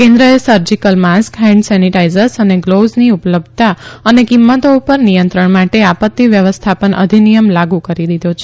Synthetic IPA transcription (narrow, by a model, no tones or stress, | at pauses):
kẽnd̪ɾəesəɾd͡ʒikəlmaskɦɛ̃ɳɖsɛniʈaizəɾsəneɡlozniupələb̚d̪̚ʱt̪aənekimːət̪oupəɾnijə̃nt̪ɾəɳmaʈeapət̪ːiʋjəʋəst̪ʰapənʔə̰d̪ʱinijəmlaɡũkəɾid̪id̪ʱot͡ʃʰe